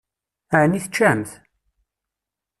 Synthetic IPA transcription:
æʕniθət͡ʃːæmθ

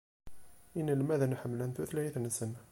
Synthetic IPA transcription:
ʔinːilmæðænħəmːəlænθuθlæjθənsəna

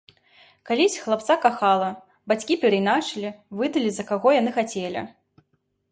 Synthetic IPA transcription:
kalʲisʲxlˠap̚t̪sakaxalˠɐ | bat͡sʲkʲipʲɛɾɐjnat͡ʂɨlʲivɨd̪ɐlʲizɐkaɣɔjanɨxat͡sʲɛlʲḭ

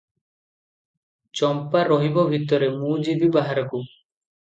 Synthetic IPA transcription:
t͡ɕɔmpaɾɔɦibɔbʱit̪ːɔɾemud͡ʑibibaɦaɾɔku

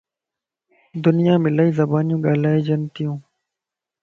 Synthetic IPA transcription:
d̪ʊnijãːmɪlaːiːzɐbaːnjũːɡaːlaːed͡ʑɐnt̪ijũː

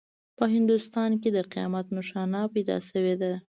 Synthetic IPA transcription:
pəɦɪnd̪ust̪ɑnk̬ed̪əqijɑ̰mat̪nʊʃɑnɑpajd̪ɑ̰səwed̪a

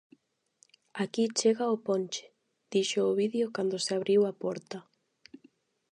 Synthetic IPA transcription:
akit͡ʃeɣaʊponʲt͡ʃɪ̥ | d̪̥iʃoːβiðjokand̪ʊseaβɾiwapɔɾt̪ɐ

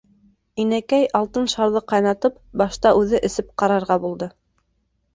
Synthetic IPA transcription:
inækæjɑlˠt̪ɤnʃɑɾðɤqɑjnɑt̪ɤp̚bɑʃt̪ɑʔʉðɘʔɘ̆sɘp̚qɑɾɑɾʁɑbulˠd̪ɤ

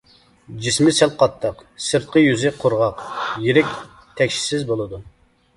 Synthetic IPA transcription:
d͡ʒismɪsɛlˠqʰɑt̪ʰːəqsɨɾt̪̚qəjyzɪqʰoɾʁɑqjiɾɪkʲ | t̪ʰɛkʲʃi̥sɪzbolˠɨd̪u

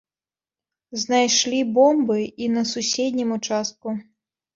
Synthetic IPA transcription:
znajʂlʲibɔmbɨinɐsusʲɛd̪ʲnʲimut͡ʂast̪̚ku

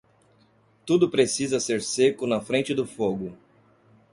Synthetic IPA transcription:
t̪ud̪ʊpɾesizɐseɾsekʊnɐfɾẽnt͡ʃɪd̪ʊfoɡʊ

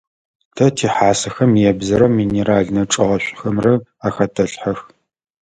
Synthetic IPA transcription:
tʰɐtʰiːħaːsɐxɐmjɛbzɐɾɐmiːneɾaːɮnɐʈ͡ʂʼɐʁɐɕʷʼxɐmrɐaːxɐtʰɐɬħɐx

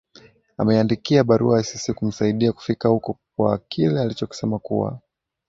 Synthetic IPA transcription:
a̰mɛandikiaɓaɾuasisikum̩saiɗiaku̥fikahukɔk̚wakilɛalit͡ʃɔki̥sɛmakuwa̰

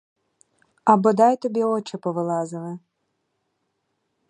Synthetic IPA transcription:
ɐbɔd̪ɑjt̪ɔbʲiɔt͡ʃɛpɔʋɪlˠɑzɪlˠɪ

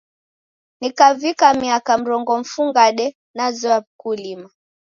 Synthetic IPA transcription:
nikavikamiakam̩ɾɔŋɡɔm̩fuŋɡaɗɛ | nazɔakulima

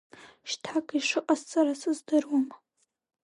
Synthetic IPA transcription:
ʃtʰakʰʼiʂɨqʼast͡sʼaɾasɨzdɨrwam

